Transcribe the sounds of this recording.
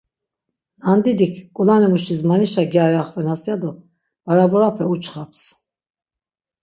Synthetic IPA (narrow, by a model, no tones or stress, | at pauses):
and̪id̪ikʰkʼulanimuʃismaniʃaɡjaɾiaχvɛnasjad̪ɔ | vaɾabɔɾapʰɛut͡ʃχapʰs